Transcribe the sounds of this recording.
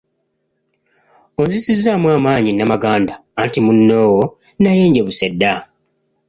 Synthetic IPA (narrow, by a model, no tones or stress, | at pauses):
o̞nzisizːamwaːmaːɲinamaɡaːndaːntimunːoːwo | naje̞ːɲɟe̞βusedːa